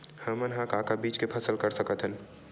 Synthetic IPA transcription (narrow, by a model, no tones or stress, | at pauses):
hɐmənɦãkaːkabiːt͡ʃkepʰɐsəlkɐɾsɐkət̪ɦən